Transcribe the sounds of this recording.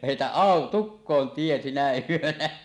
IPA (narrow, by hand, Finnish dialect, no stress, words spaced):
heˑitæʔ ʔɑˑo tukːoːn tie sinæ yønæ